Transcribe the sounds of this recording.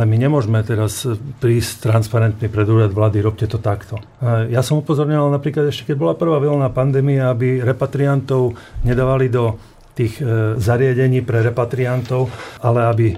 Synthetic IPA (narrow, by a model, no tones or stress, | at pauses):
ɛmiɲɛmʊɔʒmɛt̪ɛɾaspɾiːsct̪ɾanspaɾɛnt̪nipɾɛd̪uːɾad̪ʋlaːd̪iɾɔpcɛt̪ɔt̪akt̪ɔ | jasɔmupɔzɔɾɲɔʋalnapɾiːklad̪ɛʃcɛ̥kɛɟ̚bɔlapr̩ʋaːʋɛlnaːpand̪ɛːmijaabiɾɛpat̪ɾiant̪ɔʊɲɛd̪aːʋalid̪ɔ | t̪iːɣzaɾɪaɟɛɲiːpɾɛɾɛpat̪ɾiant̪ɔʊalɛabi